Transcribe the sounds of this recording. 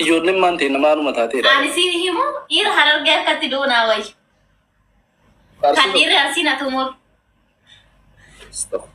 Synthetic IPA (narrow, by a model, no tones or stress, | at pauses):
ɪd͡ʒoːlːɛmːaːnt̪eːnːɐmaːlʊmɐt̪aːt̪eːɐnɪsiːnhɪmʊʔiːɾɐɦɐɾɐɾɡeɐkːɐt̪ːɪd̪oːnaːwɐj | ɐkɐniːrːɪɐɾsiːnɐt̪ʊmoɾ